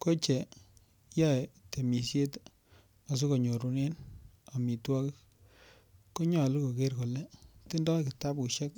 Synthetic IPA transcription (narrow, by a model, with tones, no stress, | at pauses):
ko˦t͡ʃɛ˨ | ja˦˨te˨mi˨sje˦t | a˨s̬u˦ko˨ɲo˨ɾu˨ne˦na˨mi˨twa˦k | ko˦ɲɔ˨lu˦ko˨ke˦ɾko˨lɛ˦ti˦ndɔ˦kɪ˨ta˦bku˨ʃɛ˦k̚